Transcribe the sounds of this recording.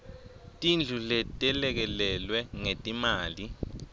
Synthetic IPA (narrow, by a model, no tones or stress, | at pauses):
tʼind͡ɮʱulɛtʼɛlɛk̬ɛlɛlwɛŋetʼimaːli